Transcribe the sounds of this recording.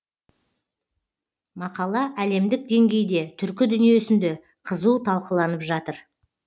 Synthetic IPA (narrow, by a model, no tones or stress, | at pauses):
mɑqɑlˠɑʔæle̞md̪ɪk̚d̪e̞ŋɡʲe̞jd̪e̞t̪ʰʏɾkʲɪd̪ʏnije̞sɪnd̪e̞ | qʰəzuwt̪ʰɑlˠqəlˠɑnəpʒɑt̪əɾ